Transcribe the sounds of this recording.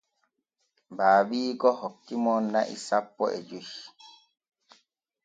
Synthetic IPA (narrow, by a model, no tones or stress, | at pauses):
baːbiːkɔhɔkːimɔnːaʔḭsapːɔ̰ʔɛd͡ʒuʃ